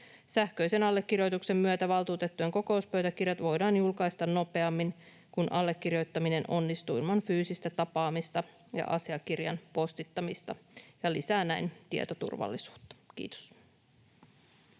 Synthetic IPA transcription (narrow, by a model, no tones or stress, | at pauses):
sæhkø̞jse̞nɑlːe̞kːirjo̞jt̪ukse̞mːyøt̪æʋɑlˠt̪uːt̪e̞t̪ːueŋko̞ko̞uspøɥt̪ækirjɑt̪ʋo̞jdɑːnjulkɑjst̪ɑnnope̞ɑmːin | kunʔɑlːe̞kːirjo̞jt̪ːɑmine̞nʔo̞nːist̪uːilmɑnfyːsist̪æt̪ɑpɑːmist̪ɑ | jɑ̰ʔɑsiɑkirjɑ̰npo̞st̪it̪ːɑmist̪ɑjɑlisæːnæjnt̪iɛ̰t̪o̞t̪ṵrʋɑ̰lːisu̥ːt̪ːɑ̥k̟ḭːt̪o̥s